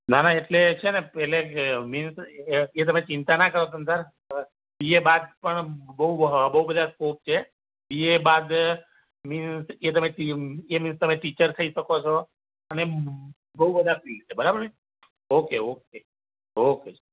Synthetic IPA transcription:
nanaeʈlet͡ʃʰenepɛleminset̪əmẽt͡ɕint̪anakəɾosənsaɾ | iebad̪̚pəɳbəɦubəɦubəd̪ʱaskop̚t͡ʃʰe | iebad̪ | minset̪əmẽʈieminst̪əmẽʈit͡ɕəɾt̪ʰəiʃəkot͡ʃʰɔ | əne | bəɦubəd̪ʱafilt͡ʃʰebəɾabəɾi | okeok̚e | oke

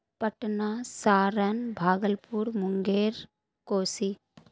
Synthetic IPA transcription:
pɐʈnasaːɾənbʱaːɡəlpuɾmʊŋɡeːɾ | koːsi

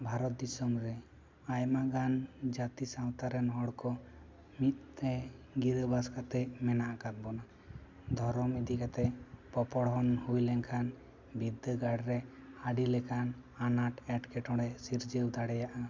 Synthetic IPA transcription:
bʱaɾɔt̪̚d̪isɔmɾɛ | ajmaɡand͡ʒat̪isawt̪aɾɛnɦɔɽkɔ | mit̪̚t̪ɛɡiɾəbaskat̪ɛmɛnaʔakat̪̚bɔna | d̪ʱɔɾɔmid̪ikat̪ɛpɔpɔɽɦɔnhujlɛŋkʰan | bid̪əɡaɽɾɛhaɖilɛkananaʈɛʈkɛʈɔɽɛsiɾd͡ʒəwd̪aɽɛjaʔa

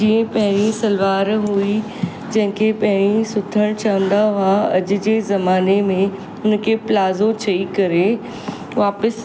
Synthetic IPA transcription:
d͡ʑiːə̃pɐɦɪ̃ɾ̃isɐlʋaːɾɦui | d͡ʑɐ̃ɦɪ̃kʰepɐɦɪɽ̃isʊt̪ʰəɽ̃t͡ɕɐʋə̃nd̪aɦaɐd͡ʑʊ̆d͡ʑeːzɐmaːnemẽ | ʊnkʰeːplaːzot͡ɕʰɐikɐɾe | ʋaːpəs

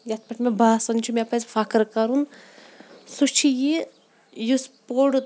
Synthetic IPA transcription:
jat̪̚ʰpɐʈʰmebaːsɐnt͡ʃʰumʲepɐzʲfakɾkɐɾun | sut͡ʃʰiji | juspoɽ

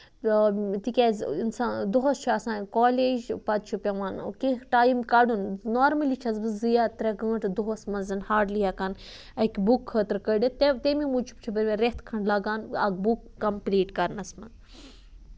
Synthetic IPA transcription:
t̪ikʲezinsaːd̪oɦost͡ʃʰuɐsãːkoːleːd͡ʒpɐt̪̚t͡ʃʰupʲɐʋaːnkiʈaːjimkɐɖunnoːɾmɐlit͡ʃʰɐzbɨzɨjat̪ɾɐɡə̃ːʈd̪oɦosmɐnzɐnhaːɖlijakɐn | ɐkʲbukʰːəːt̪ɾkəɖit̪et̪emimut͡ʃʰu̥p̚t͡ʃʰubɐɾʲʋʲeɾeht̪ʰkʰɐɳɖlɐɡaːnɐ̰ɡ̚bukːɐmpliːʈkɐɾnɐsmɐn

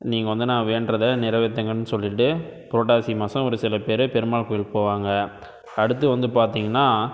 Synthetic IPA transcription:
niːŋɡɐʋɐnd̪ɯnãːʋeːnɾɐðɐnɪɾɐʋɛt̪ːɐŋɡɐnɯsɔlːɪʈːɯpɾoːʈaːsimɐsɐ̃ɔɾɯsɪlɐpeːɾɯpɛɾɯmaːɭkɔːjɪɭpoːʋaːŋɡɐ | ɐɽɯt̪ːɯʋɐnd̪ɯpaːɾt̪iːŋɡɐnːaː

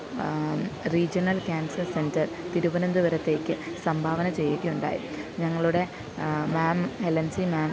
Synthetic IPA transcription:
riːd͡ʑɐnɐlkʲaːnsɐrse̞ndɐr | t̪iɾubɐnɐnd̪uʋɐɾɐt̪ːe̞ːkʲːɨsɐmbʱaːʋɐnɐt͡ɕe̞jːɐɣijuɳɖa̰ːjḭɲɐŋːɐɭuɽe̞ | maːmhelɐnsimaːm

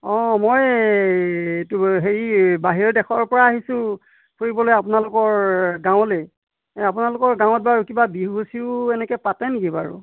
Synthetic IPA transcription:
ɔ̃moj | tuɦeɹibaɦiɹɛdɛkʰɔɹpɔɹaːɦisʊ̃ | pʰoɹibɔlojapʊnalʊkɔɹɡãw̃le | ap̬ʊnalʊkɔɹɡãw̃ɔt̚baɹukibabiɦɦusiʊɛnɛkɛpatɛniɡiba̰ɹṵ

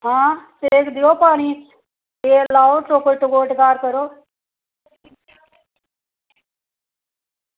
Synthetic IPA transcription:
ɦãːsekd̪ijoːpaːniːt͡s | eːlaːoʈɾoːkoʈ̪uɡoːʈɡaːɾkəɾoː

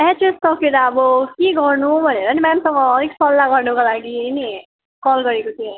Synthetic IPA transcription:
ɛt͡ʃessʌkeɾaʌbʌkeɡʌrnubʱʌneɾʌnimamsʌŋɡʌːɾiksʌlːaɡʌrnukalaɡini | kɔlɡʌɾekot̪ʰĩ

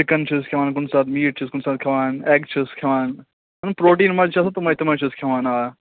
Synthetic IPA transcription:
ɪkɐnt͡ʃʰiskʰeʋaːnk̬ʊnsaːt̪miːʈ̚t͡ʃʰiskʊnsaːt̪̚kʰɐʋaːneːkt͡ʃʰiskʰeʋaːn | ɐnpɾoːʈ̬iːnmɐd͡ʒt͡ʃʰɐsɐt̪ɐmɐit̪ɐmɐt͡ʃʰiskʰeʋaːnaː

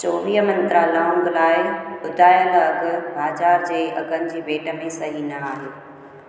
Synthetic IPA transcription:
t͡ɕoːɾijəmɐ̃nt̪ɾalãːŋɡlaːɪʊd̪ʱaːjəlɐɡʊbaːd͡ʑaːɾd͡ʑeːɐ̰ɡʱənɪ̆d͡ʑiːbeːʈəmẽsɐɦinɐaːɦeː

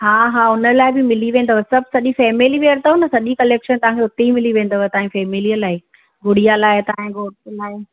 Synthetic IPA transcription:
ɦaːɦaːʊnə̆laːɪbɪmɪliʋẽːn̆d̪əʋsɐbʱsɐʄifɛːmɪliʋeːəɾt̪ɐʊnɐsɐʄikɐleːkʃənt̪ɐʋ̤ãŋkʰeʊt̪eimɪliʋẽːn̆d̪əʋət̪ɐãfɛːmɪlijəlaːɪ | ɡʱʊɽijalaːɪt̪aɪ̃ɡoːlaːɪ

